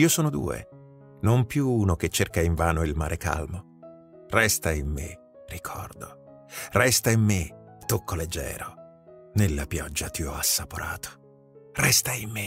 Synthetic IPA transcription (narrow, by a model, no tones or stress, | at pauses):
iːosoːnod̪ṵːḛ | nompjuuːnok̟et͡ʃːerkaiɱvaːnoilmaːɾeka̰lmo | rɛst̪aimːḛ | rikʰɔ̰rd̪o | rɛst̪aimːet̪ːokʰːoled͡ʒːɛ̰ːɾo | nelːapjɔd͡ʒːat̪iɔasːapoɾʔa̰ːt̪ʰo̥ | rɛst̪aimːe